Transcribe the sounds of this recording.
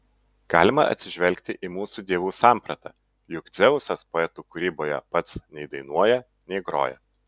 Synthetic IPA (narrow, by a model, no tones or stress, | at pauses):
ɡ̥ɑːlʲɪmɐʔɐ̰t̪sʲɪʒʲʋʲɛlʲkʲt̪ʲɪʔiːmuːsuːd̪ʲiɛʋuːsɑːˑmpɾɐt̪ɑ̰ː | jʊkt̪zʲɛʊsʲɐspoːɛt̪uːkʊɾʲiːboːjɛ̰pɐt̪snʲɛɪd̪ɐɪnuɔjɛ | nʲɛɪɡɾo̰ːjɛ̰